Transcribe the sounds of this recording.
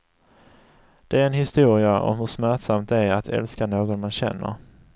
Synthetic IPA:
d̪̥ɛæɾɛnɦɪst̪uːɾɪaʔɔ̰mhɵʂmæʈsamt̪æɾat̪ʰɛ̰lskanoːɡɔnmanɕɛ̰nːə̰ɾ

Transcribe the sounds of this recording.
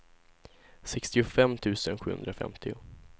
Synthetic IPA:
sɛkst̪ɪʊfɛmːt̪ʰʉ̟ːsənɧʉ̟ːhɵ̰nd̪ɾafɛ̰mt̪ʰɪʊ

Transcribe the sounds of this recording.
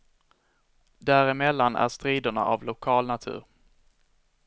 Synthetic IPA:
d̪æɾɪmɛlːanæ̰ʂt̪ɾiːd̪ʊɳa̰ʔavlʊkʰɑːlnat̪ʰʉ̟̰ːɾ

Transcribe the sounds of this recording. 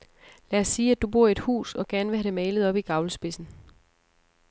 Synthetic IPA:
læsːiːæd̥ub̥o̝ɐ̰e̝d̥hṵːsɒ̽ɡ̥æɐnʋeɦæɾ̥e̝mɛɪləð̞ˠɒ̽b̥iɡ̥ɑ̈ʊləsb̥e̝sn̩

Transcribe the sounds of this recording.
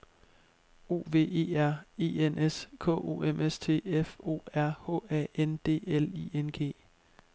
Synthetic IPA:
o̝̰ːʋe̝̰ːe̝ːæɐ̰e̝̰ːenʔeskʰɔ̰o̝̰ːemʔest͡sʰe̝̰ːefo̝̰ːæɐ̰hɔ̰ːɛend̥e̝̰ːeliːenɡ̥e̝̰ː

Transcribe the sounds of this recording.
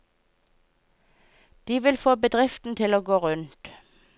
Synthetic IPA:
d̪̥iːʋɪlfoːbəd̪ʁɪft̪n̩t̪ʰɪloːɡoːʁʉnt̪

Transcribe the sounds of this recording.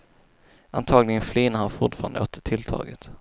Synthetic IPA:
ʔa̰nt̪ʰɑːɡlɪɡənfliːnahaɾfʊʈfɑːɾa̰nd̪əoːt̪ːəʈʰɪlt̪ʰɑ̰ːɡət̪

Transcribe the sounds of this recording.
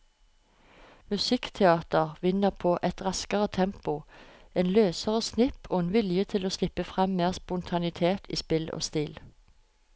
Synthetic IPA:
mʉsɪkt̪ʰɛɑːt̪əʁʋɪnəʁpʰoːʔɛt̪ʁɑskəʁət̪ʰɛmpʊʔeːnløːsəʁəsnɪpʰoːeːnʋɪljət̪ʰɪloːslɪpːəfʁɛmːeːʁspʊnt̪ʰɑnɪt̪ʰeːt̪ʰḭːspɪlo̰ːst̪iːl

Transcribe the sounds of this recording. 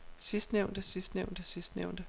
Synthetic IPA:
sisd̥neʊnd̥əsisd̥neʊ̰nd̥əsisd̥neʊ̰nd̥ə

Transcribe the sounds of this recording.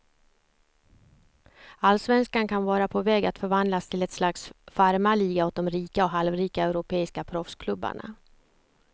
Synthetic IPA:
alsvɛnskaɳkʰanvɑːɾapʰɔvɛːɡat̪fœɾvand̪last̪ʰɪlɛt̪slaksfaɾmaliːɡaɔt̪̚d̪ɔmɾiːkaɔɦalvɾiːkaɛɾʊpʰeːɪskapʰɾɔfskʰlɵbːa̰ɳa̰

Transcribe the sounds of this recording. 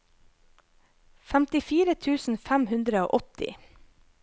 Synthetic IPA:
fæmt̪ɪfiːɾət̪ʰʉːsn̩fæmhʉnd̪ɾəo̰ːʔɔt̪ɪ̰

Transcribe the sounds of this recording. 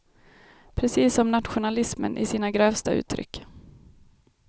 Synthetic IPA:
pʰɾɛsiːsɔmnat̪ɧʊnalɪsmə̰nʔɪ̰siːnaɡɾœːvst̪aʔʉ̟ːt̪ʰːɾʏ̰kː

